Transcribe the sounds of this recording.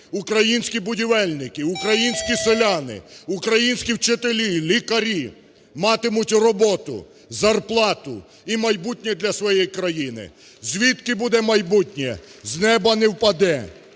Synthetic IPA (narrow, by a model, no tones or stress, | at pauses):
ʊkɾɐjinʲsʲkʲibʊdʲiʋɛlʲnɪkɪʊkɾɐjinʲsʲkʲiselʲɑnɪ̰ʊkɾɐjinʲsʲkʲiwt͡ʃet̪elʲilʲikɐɾʲi | mɑt̪ɪmʊtʲrɔbɔt̪ʊ̰ | zɐrplˠɑt̪ʊ̰ | imɐjbutʲnʲɛd̪lʲɐsʋɔjɛjkɾɐjinɪ̰ | zʲʋʲit̪kɪbud̪ɛmɐjbutʲnʲɛznɛbɐnɛwpɐd̪ɛ